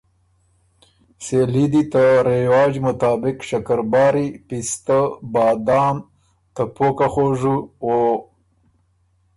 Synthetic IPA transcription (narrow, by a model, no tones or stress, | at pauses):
selid̪it̪əɾewɑːd͡ʑmʊt̪ɑːbɪkʂɐkəɾbɑːɾipist̪əbɑːd̪ɑːm | t̪əpokaxoʐuwo